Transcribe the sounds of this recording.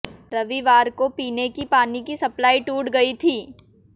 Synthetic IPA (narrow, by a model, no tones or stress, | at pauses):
ɾɐʋiʋaːɾkopiːnekipaːnikisɐplaːiʈuːɽɡɐit̪ʰiː